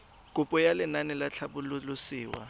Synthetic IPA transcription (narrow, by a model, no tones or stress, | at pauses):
kʼʊpʼɔjalɪnanɛlat͡ɬʰaɓʊlulʊsiːwa̰